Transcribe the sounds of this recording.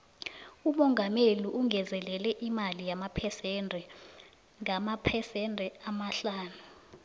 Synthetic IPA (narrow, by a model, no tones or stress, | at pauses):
umɔŋɡʱameliʔuŋʱɛzɛlɛlɛʔimalijamapʰɛsɛndʱɛ | ŋʱamapʰɛsɛndʱɛamaɬaːnu